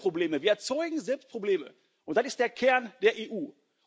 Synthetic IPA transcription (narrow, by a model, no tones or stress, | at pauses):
ʁ̥obleːməviːɐɛɐt͡sɔʏɡŋ̩zɛlpst̚pʁ̥obleːmə̰ | ʔʊntd̥anɪstd̥eːɐkʰɛɐnd̥eːɐʔeːʔuː